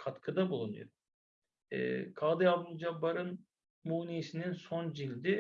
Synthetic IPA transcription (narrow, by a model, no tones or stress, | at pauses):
kʰat̪kʰɯd̪abulˠunṵjo̰ɾ | ɛ̰kʰaːd̪ɯjab̪ulˠd͡ʒabaɾɯn | muːnesininsond͡ʒilʲd̪i